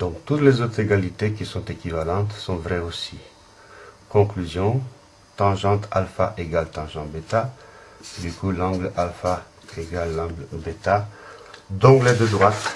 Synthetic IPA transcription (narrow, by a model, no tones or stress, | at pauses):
d̪̥ɔ̃kt̪ut̪lezot̪χeɡalit̪ekisɔ̃t̪ekʲivalɑ̃t̪sɔ̃vʁɛosi | kɔ̃klyzjɔ̃ | t̪ɑ̃ʒɑ̃t̪alfa̰ʔeɡalt̪ɑ̃ʒɑ̃bet̪a | d̪ykulɑ̃ɡlalfa | eɡalːɑ̃ɡlbet̪a | d̪ɔ̃klɛd̪ød̪ʁwat̪